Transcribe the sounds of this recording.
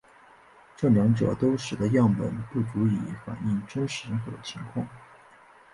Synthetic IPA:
ʈ͡ʂɤ˥˩ljɑ˧˥ŋʈ͡ʂɤ̰˨˩t̪o˥ʊʂɻ̩˨˩d̪ə˦jɑ˥˩ŋpə̰˨˩npu˥˩ʈ͡ʂu˧˥i˨˩fa̰˨˩ni˥˩ŋʈ͡ʂə˥nʂɻ̩˧˥xɤ̰˧˥t͡ɕʰi˧˥ŋkʰwɑ˥˩ŋ

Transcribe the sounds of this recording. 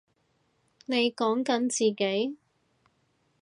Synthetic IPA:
ne˨˧jkɔː˨˥ŋkɐ˨˥nt͡siː˨ke˨˥j

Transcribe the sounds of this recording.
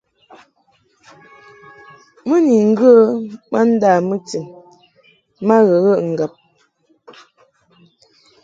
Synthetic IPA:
mə˦ni˨ŋ̩˦ɡə˦ma˦n̩˦daː˦˨mə˦ti˨m | ma˦ɣə˨ɣə˦˨ʔŋ̩˨ɡa˨p̚

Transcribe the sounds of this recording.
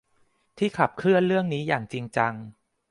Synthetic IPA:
t̪ʰiː˥˩kʰa˨˩p̚kʰlɯ˥˩ənɾɯ˥˩əŋniː˦˥jaː˨˩ŋt͡ɕi˧ŋt͡ɕa˧ŋ

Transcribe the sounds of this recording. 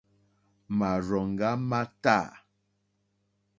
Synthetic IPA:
ma˨ɾɔ˨ŋ˨ɡa˦ma˦ta˦˨

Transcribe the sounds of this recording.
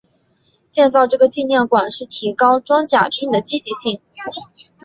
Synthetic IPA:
t͡ɕjɛ˥˧nt͡sɑ˥˧ʊʈ͡ʂɤ˥˩ɡə˩t͡ɕi˥˧njɛ˥˩nkwa˨˩nʂɻ̩˥˩t̪ʰi˧˥kɑ˥ʊʈ͡ʂwɑ˥ŋt͡ɕja˨˩pʰi˥ŋd̪ə˨t͡ɕi˥t͡ɕi˧˥ɕi˥˩ŋ

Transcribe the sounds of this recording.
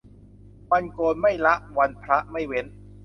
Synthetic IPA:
wa˧nkoː˧nma˥˩jla˦˥ʔwa˧npʰɾa˦˥ʔma˥˩jwe˦˥n

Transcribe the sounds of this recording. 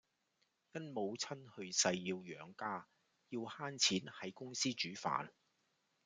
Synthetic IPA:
jɐ˥nmo˨˧wt͡sʰɐ˥nhɵ˧ɥsɐ˧jːiː˧wjœː˨˥ŋkaː˥ | jiː˧whaː˥nt͡sʰiː˨˥nhɐ˨˥jkʊ˥ŋsiː˥t͡ʃyː˨˥fa̰ː˨n

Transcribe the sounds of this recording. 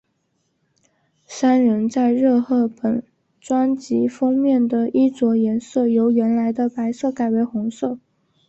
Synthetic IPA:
sa˥nɻə˧˥nt͡sa˥˧ɪɻɤ˥˧xɤ˥˩pə˨˩n | ʈ͡ʂwa˥nt͡ɕi˧˥fɑ˥ŋmjɛ˥˩nd̪ə˩ʔi˥t͡swɔ˧˥jɛ˧˥nsɤ˥˩jo˧˥ʊɥɛ˧˥nla˧˥ɪd̪ə˧pa˧˥ɪsɤ˥˩ka˨˩ɪwe˧˥ɪxʊ˧˥ŋsɤ˥˩

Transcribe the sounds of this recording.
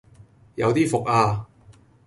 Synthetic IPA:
jɐ̰˨˧wt̪iː˥fʊ˨k̚aː˧

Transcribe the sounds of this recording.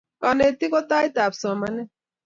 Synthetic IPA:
ka˨ne˨t̪i˦kɔ˦ta˦i˦ta˨psɔ˨ma˨nɛ˦

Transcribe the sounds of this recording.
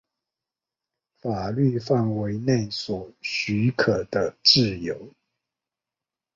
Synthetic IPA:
fa˨˩ly˥˧fa˥˨nwe˧˦ɪne˥˨ɪswɔ˨˩ɕy˧˥kʰə˨˩d̪̥ə˦ʈ͡ʂɹ̩˥˨jo˨˦ʊ

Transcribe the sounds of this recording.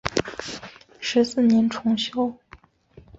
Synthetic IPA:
ʂɻ̩˧˥sɹ̩˥˩njɛ˧˥nʈ͡ʂʰʊ˧˥ŋɕjo˥ʊ

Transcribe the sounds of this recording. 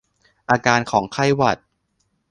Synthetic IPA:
ʔaː˧kaː˧nkʰɔː˩˦ŋkʰa˥˩jwa˨˩t̪̚

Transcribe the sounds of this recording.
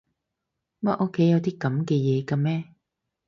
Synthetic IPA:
mɐ˥ʔɔ˥kʰːe˨˥jɐ˨˧wt̪iː˥kɐ˨˥mkɛː˧jɛː˨˧kaː˧mɛː˥

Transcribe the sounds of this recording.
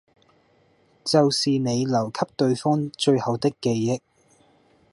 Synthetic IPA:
t͡sɐ˨wsiː˨ne˨˧jlɐ˨˩wkʰɐ˥p̚t̪ɵ˧ɥfɔː˥ŋt͡ʃɵ˧ɥhɐ˨˧wt̪ɪ˥kːe˧jːɪ˥k̚

